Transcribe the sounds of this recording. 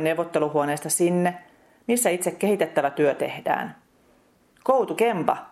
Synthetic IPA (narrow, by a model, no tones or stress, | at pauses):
newʋːot̪ːeluhuoneːst̪ɑsinːe | misːæit̪sekkːe̞hit̪et̪ːæʋæt̪yøt̪e̞̰hd̥æ̰ːn | kowt̪ukempɑ